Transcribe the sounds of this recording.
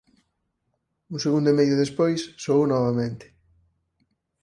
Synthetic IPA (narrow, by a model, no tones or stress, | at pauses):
useɣund̪ʊmejðʊðespojsːoownɔβamẽnt̪ɪ̥